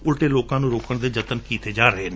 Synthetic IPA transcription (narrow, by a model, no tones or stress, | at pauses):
ʊlʈeːloːkãːnũːɾoːkəɳd̪eːd͡ʒət̪ənkiːt̪eːd͡ʒaːɾəɦeːn